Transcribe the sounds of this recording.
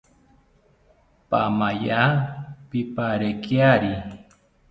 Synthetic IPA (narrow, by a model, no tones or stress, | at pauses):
pamajapipaɾekjaɾi